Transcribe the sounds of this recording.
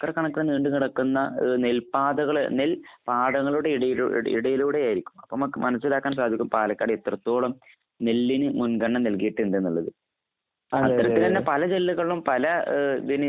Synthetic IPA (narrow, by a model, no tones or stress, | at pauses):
kɐrɐkːɐɳɐkːeniːɳɖɨkiɽɐkːunːɐnelpaːd̪ɐɣɐɭnelpaːɖɐŋːɐɭuɽe̞iɽɐjḭḭɽɐjiluːɽe̞jaːjiɾikʲːu̥mɐpːoːmɐkːmɐnɐsːilaːkːaːns̬aːd̪ʱikʲːumpaːlɐkʲːaːɽet̪rɐt̪ːo̞ːɭɐm | ne̞lːinɨmunɡɐɳːɐnɐlkijiʈːɨend̪enːuɭːɐðɨ | ɐ̰ːɐɾɐt̪ːilt̪ɐnːepɐlɐd͡ʑe̞lːuɣɐɭumpɐlɐd̪inɨ